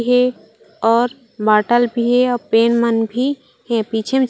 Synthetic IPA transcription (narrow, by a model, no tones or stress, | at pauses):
ɦe | ɔːɾ | baːʈəlbʱiɦeɔpeːnmənbʱi | hɛ̃pit͡ʃʰem